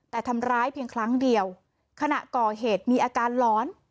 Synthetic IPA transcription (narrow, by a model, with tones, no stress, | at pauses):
t̪ɛː˨˩t̪ʰa˧mɾaː˦˥jpʰi˧əŋkʰɾa˦˥ŋdi˨˧əw | kʰa˧na˨˩ʔkɔː˨˩ɦeː˨˩t̪̚miː˧ʔaː˧kaː˧nlɔː˦˥n